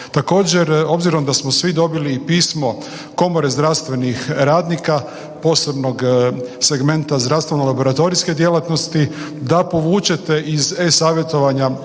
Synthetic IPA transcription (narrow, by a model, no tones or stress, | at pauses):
t̪ako̞ːd͡ʑe̞ɾo̞bziɾo̞md̪asmosʋid̪o̞biliːpiːsmo̞ | ko̞mo̞ɾe̞zd̪ɾaʋst̪ʋe̞nixɾaːd̪nika | po̞ːse̞bno̞ɡse̞ɡme̞nt̪azd̪ɾast̪ʋenolabo̞ɾat̪o̞ɾiske̞d̪je̞lat̪no̞st̪i | d̪apo̞ʋuːt͡ʃe̞t̪e̞ʔizesaːʋje̞t̪o̞ʋaɲa